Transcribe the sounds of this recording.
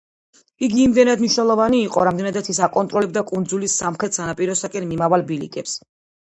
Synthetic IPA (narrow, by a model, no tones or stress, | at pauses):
iɡiːmd̪ɛnad̪mniʃnɛlˠɔvaniːqʼɔ̰ɾamd̪ɛnad̪at̪ʰisakʼɔnt̪ʼɾɔlɛb̚d̪akʼund̪zulisamχɾɛt̪sanapʼiɾɔsakʼɛnmimavalbilḭkʼɛps